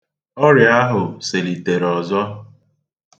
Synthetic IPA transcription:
ɔ˦ɾja˦ɦʊ˨se˨li˨te˨ɾɔ˨zɔ˦

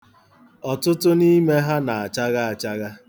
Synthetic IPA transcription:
ɔ˨tʊ˦tʊ˦ni˦me˦ɦa˦na˨a˨t͡ʃa˦ɣa˦a˨t͡ʃa˦ɣa˦

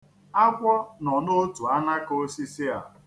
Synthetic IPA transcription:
a˦kʷɔ˦nɔ˨no˦tu˨a˦na˦ko˦si˦si˦a̰˨

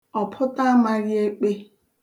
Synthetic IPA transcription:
ɔ˨pʰʊ˦ta˦ma˦ɾi˦e˦k͡pe˦

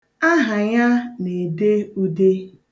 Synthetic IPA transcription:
a˦ɦa˨ɲa˦ne˨de˦u˦de˦

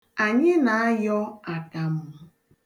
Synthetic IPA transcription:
a˨ɲɪ˦na˨a˦jɔ˦a˨ka˨m̩˦ʊ˦

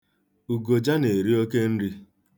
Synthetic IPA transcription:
u˨ɡo˨d͡ʒa˦ne˨ɾi˦o˦ke˦n̩˦ɾi˦

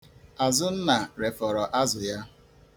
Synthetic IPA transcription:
a˨zʊ˦n̩˦na˨ɾe˨fɔ˨ɾɔ˨ʔa˦zʊ˨ja˦

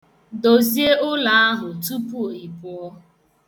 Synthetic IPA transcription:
do˨zi˦e˦ʔʊ˦la˨a˦ɦʊ˨tu˦pu˦o˨i˨pʊ˦ɔ˦

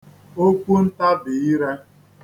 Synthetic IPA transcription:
o˦kʷu˦n̩˦ta˦bɪ˨i˦ɾe˦

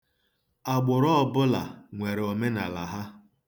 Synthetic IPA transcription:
a˨ɡ͡bʊ˨ɾɔ˦ɔ˨bʊ˦la̰˨ŋʷe˨ɾe˨o˨me˦na˨la˨ɦa˦

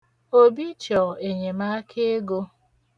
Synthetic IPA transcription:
o˦bi˦t͡ʃɔ˨e˨ɲe˨ma˦kʰe˦e˦ɡo˦

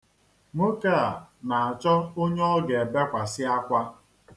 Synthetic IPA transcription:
mo˦ka˦˨a˨na˨a˨t͡ʃɔ˦o˦ɲ˦ɔ˦ɡe˨be˦kʷa˨sɪ˦a˦kʷa˦

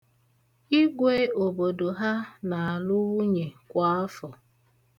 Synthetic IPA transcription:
i˦ɡʷe˦o˨bo˨do˨ɦa˦na˨a˨lʊ˦u˦ɲe˨kʷa˦ɔ˦fɔ˨

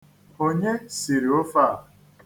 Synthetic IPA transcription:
o˦ɲe˦si˨ɾi˨o˦faː˦˨

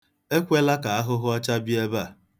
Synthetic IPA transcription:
e˦kʷe˦la˦ka˨a˦ɦʊ˦ɦʊ˦a˦t͡ʃa˦bi˦e˦ba˦˨

